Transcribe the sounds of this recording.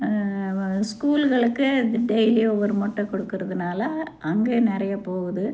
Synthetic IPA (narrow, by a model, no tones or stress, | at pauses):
skuːlɣɐɭɯkːɯɖɛɪliɔʋɐɾmɔʈːɐkɔɽɯkːɯɾɐðɯnaːlɐʔɐŋɡeːnɪɾɐjɐpoːɣɐðɯ